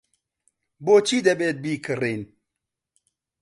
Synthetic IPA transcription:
bot͡ʃid̪eɓet̪̚bikɨɾen

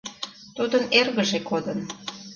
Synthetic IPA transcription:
t̪ud̪ənerɣəʒekod̪ən

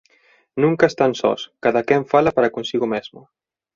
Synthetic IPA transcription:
nuŋkaest̪ansɔ̰skaðakɛɱfalapaɾakunsiɣumɛzmu

